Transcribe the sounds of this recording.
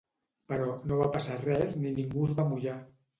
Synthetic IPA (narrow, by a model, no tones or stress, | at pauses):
pəɾɔnoβapasarɛzniniŋɡuzβamuʒa